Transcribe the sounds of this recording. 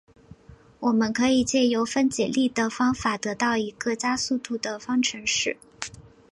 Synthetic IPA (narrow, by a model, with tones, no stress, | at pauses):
wɔ˨˩mə˦nkʰɤ˧˥i˨˩t͡ɕjɛ˥˩jo˧˥ʊfə˥nt͡ɕjɛ˨˩li˥˩d̪ə˩fɑ˥ŋfa˨˩t̪ɤ˧˥t̪ɑ˥˩ʊi˧˥ɡɤ˥˧t͡ɕja˥su˥˧t̪u˥˩d̪ə˧fɑ˥ŋʈ͡ʂʰɤ˧˥ŋʂɻ̩˥˩